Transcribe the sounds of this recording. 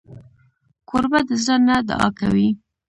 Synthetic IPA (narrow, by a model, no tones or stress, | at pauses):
kʰoɾbad̪əzɽənad̪a̰ʔɑ̰ka̰wi